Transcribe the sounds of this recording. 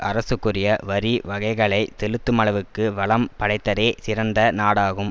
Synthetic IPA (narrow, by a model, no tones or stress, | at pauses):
ʔɐɾɐsɯkːɯrɪjɐʋɐɾiʋɐɣɐɪɣɐɭɐɪt̪ɛɻɯt̪ːɯmɐɭɐʋɯkːɯʋɐɭɐmpɐɽɐɪt̪ːɐɾeːsɪɾɐnd̪ɐnaːɽaːɣɯm